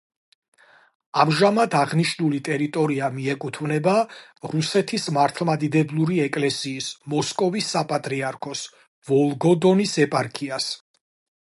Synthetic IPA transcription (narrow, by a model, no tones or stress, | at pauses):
amʒamad̪aʁniʃnulit̪ʼɛɾit̪ʼɔɾiamiɛkʼut̪ʰvnɛbaɾusɛt̪ʰismaɾt̪ʰlˠmad̪id̪ɛblˠuɾiɛkʼlɛsiːsmɔskʼɔvisːapʼat̪ʼɾiaɾkʰɔs | vɔlˠɡɔd̪ɔnisɛpʼaɾkʰʼias